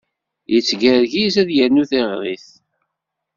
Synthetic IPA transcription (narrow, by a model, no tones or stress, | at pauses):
jət͡sːɡəɾʝizæðjənːuθeʁɾiθ